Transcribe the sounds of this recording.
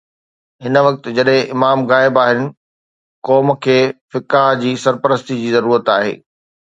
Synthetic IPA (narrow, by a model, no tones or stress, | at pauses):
ɦɪnəʋɐk̚t̪̆d͡ʑɐɗɦɪ̃ʔɪmaːmɣaːɪbaːɦɪnɪ̆ | kɔːmkʰeːfɪkaːɦd͡ʑiːsɐɾpəɾəst̪id͡ʑiːzɐɾuːɾət̪aːɦḛː